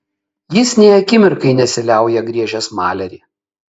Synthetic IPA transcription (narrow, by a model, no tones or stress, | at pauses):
jɪsnʲɛɪɐkʲɪmʲɪɾkɐɪnʲɛsʲɪlʲæˑʊjɛɡɾʲiɛʒʲɛsmɑːlʲɛɾʲiː